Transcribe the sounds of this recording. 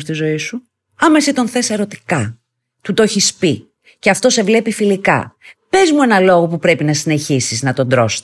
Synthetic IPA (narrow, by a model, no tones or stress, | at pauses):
st̪izo̞isu | ɐme̞sit̪o̞nθe̞se̞ɾo̞t̪i̥kɐ | t̪ut̪o̞çispi | ceɐft̪o̞se̞vle̞pifilikɐ̰pe̞zmue̞nɐlo̞ɣo̞pupɾe̞pinɐsine̞çisiznɐt̪o̞nd̪ɾo̞s